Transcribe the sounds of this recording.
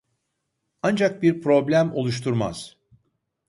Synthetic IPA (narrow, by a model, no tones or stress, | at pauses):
and͡ʒak̚biɾpɾo̞blʲæmo̞̰lˠuʃ̬t̪ʰuɾma̰z̥